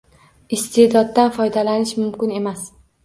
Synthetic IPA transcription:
ɪst̪ʰed̪ɒd̪ːanfɒjd̪alanɪʃmʊmkʲɪne̞mas

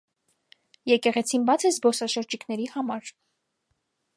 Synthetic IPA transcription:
jɛkɛʁɛt͡sʰinbɑt͡sʰɛzbɔsɑʃəɾd͡ʒikʰnɛɾihɑmɑɾ

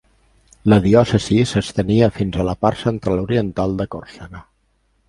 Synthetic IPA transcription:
ləðiɔsəzisəst̪əniəfinzələpaɾsənt̪ɾaluɾiənt̪alˠd̪əkoɾsanə

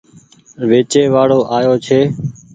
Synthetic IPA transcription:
ʋeːt͡ʃeːʋaːɽoːʔaːjoːt͡ʃʰeː

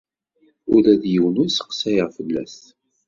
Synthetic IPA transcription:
ʊɾæðjəwənʊɾsə̥qsæjʁfəlːæ̰s

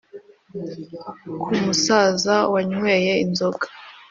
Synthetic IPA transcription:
kʰumusazawaɲwejeinzoɡḁ

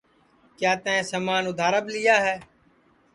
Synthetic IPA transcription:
kjaːt̪əẽːsəmaːnʊd̪ʱaːɾəblɪjaːɦɛː

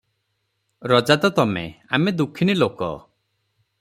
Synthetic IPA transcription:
ɾɔd͡ʒad̪ɔt̪ɔmḛa̰med̪ukʰːinilokɔ̰

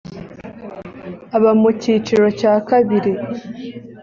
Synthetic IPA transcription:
aβamucit͡ʃiɾo̞caːkaβiɾi

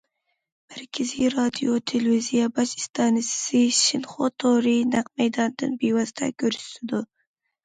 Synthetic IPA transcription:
mæɾkʲʰaziɾɑd̪ijot̪ʰelvizijabɑʃɪ̥st̪ʰɑnɪssɪʃɪnχot̪ʰoɾinaqmajd̪ɑnd̪ɨnbewɑzt̪ʰa̰kʲʰøɾst̪ɪd̪ʊ

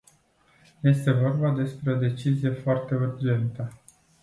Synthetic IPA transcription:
je̞st̪e̞vo̞rbad̪e̞spɾe̞o̞d̪e̞t͡ʃizije̞foart̪e̞urd͡ʒe̞nt̪ə

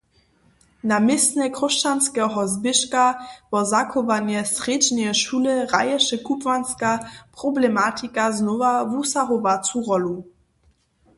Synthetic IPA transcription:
namɪsnɛkrɔʃt͡ʃanskɛɦɔzbɪʃkavɔzakɔvanjɛsred͡ʒnɛʃulɪʁajɛʃɛkupvanskapʁɔblɛmat̪ʰikaznɔvavusaʁovat͡suʁɔlu

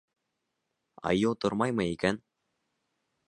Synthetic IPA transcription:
ɑ̰jɤlˠt̪oɾmɑjmɤikæn

